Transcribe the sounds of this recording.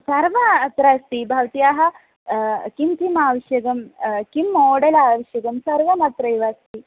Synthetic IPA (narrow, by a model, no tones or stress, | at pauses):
sɐɾʋɐɐt̪ɾaːst̪ibʱɐʋɐt̪ijaːɦɐ̆ | kimk̪imaːʋɐʃjɐɡɐmkimːoːɽɐlaːʋɐʃjɐɡɐmsɐɾʋɐmɐt̪ɾɐjʋaːst̪i